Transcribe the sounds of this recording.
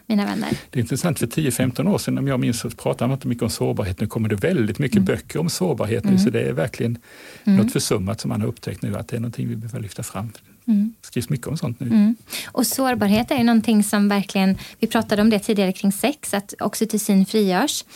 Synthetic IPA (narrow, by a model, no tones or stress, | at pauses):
miːnavɛ̰nːə̰ɾd̪̥ɛɾɪnt̪ɾəsant̪fœtʰiːəfɛmt̪ɔnoːʂɛnɔmjɑːɡmɪnssɔpʰɾɑːt̪amanɪnt̪əmʏkːəɔmsoːɾbɑːɾɦeːt̪nʉːkʰɔmːədɖɛvɛld̪ɪt̪mʏkːəbœkːəɾɔmsoːɾbɑ̰ːɾɦḛːt̪nʉ̟ːsɔd̪ɛæ̰ɾvæɾklɪɡənnɔt̪fœʂɵmːat̪sɔmːanhaɾɵpːt̪ʰɛk̚t̪nʉ̟ːa̰t̪̚d̪ɛæɳɔnt̪ʰɪŋvɪbœːəɭʏft̪afɾa̰mː | skɾiːvsmʏkːəɔmsɔnt̪nʉ̟ːʔɔsoːɾbɑːɾɦeːt̪æɾjɵnɔnt̪ʰɪŋːsɔmvæɾkʰlɪɡənvɪpʰɾɑːt̪ad̪əɔmd̪ɛt̪ʰiːd̪ɪɡaɾəkʰɾɪŋːsɛksat̪ɔ̰ksɔt̪ʰʉsiːnfɾiːjœːʂ